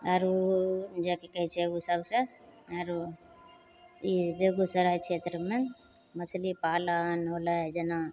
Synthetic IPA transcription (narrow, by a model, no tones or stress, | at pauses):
aɾod͡ʒakekəɦit͡ʃʰɛusəbsẽ | aɾo | ibeɡusəɾaɦɛt͡ʃʰet̪ɾəme | məslipalənɦolad͡ʒena